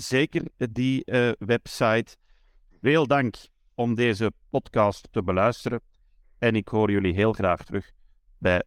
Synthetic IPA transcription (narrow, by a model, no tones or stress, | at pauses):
z̥eːkərdiəʋɛpsɑjt | veːlˠdɑŋk | ɔmdeːzəpɔtkɑstːəbəlœɥstəɾə | ɛnɪkɦoːrjɵliɦeːlˠɣraːxtərʏx | bɛj